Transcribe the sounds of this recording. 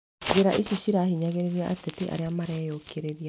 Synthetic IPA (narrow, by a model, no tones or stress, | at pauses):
ɡeɾaʔiɕuɕiɾahiɲaɣeɾeɾiaʔatetiʔa̰ɾeamaɾɛːjokʰeɾeɾia